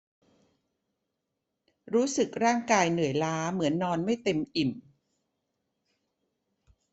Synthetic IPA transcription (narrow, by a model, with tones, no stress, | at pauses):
ɾuː˦˥sɯ˨˩k̚ɾaː˥˩ŋkaː˧jnɯ˨˩əjlaː˦˥mɯ˩˦ənːɔː˧nma˥˩jt̪e˧mʔi˨˩m